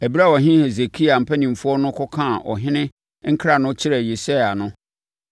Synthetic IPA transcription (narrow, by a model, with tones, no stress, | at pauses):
æ˨bi˦ɾa˦˨wɔ˨ɦɪ̃˦he˨ze˨kʰi˦a˨m̩˨pʰæ˦nĩ˨m̩˨fʊ˦ɔ˦nʊ̃˦kʰɔ˦kʰã˦˨ʔɔ̰˨ɦɪ̃˦nɪ̃˦ | ŋ̩˦kʰɾa˨nʊ̃˦t͡ɕʰɪ˦ɾɛ˨je˨se˦a˨nʊ̃˦